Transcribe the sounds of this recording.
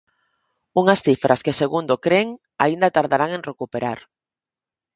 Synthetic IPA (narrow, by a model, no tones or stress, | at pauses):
uŋasθifɾʔaskeseɣund̪okɾeŋ | aind̪at̪aɾðaɾaŋenrekupeɾaɾ